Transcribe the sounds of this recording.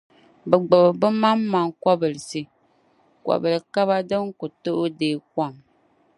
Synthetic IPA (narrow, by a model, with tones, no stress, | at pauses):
bɛ˨ɡ͡bɨ˨bbɨ˦ma˦mːa˦ŋkʷa˦bɨ˨lɨ˨sɨ˦ | kwa̰˨bɨ˨lɨ˨ka˦βa˦dɨ˦ŋ˦ko˨to˦ʔdeː˦k̚a˦˨m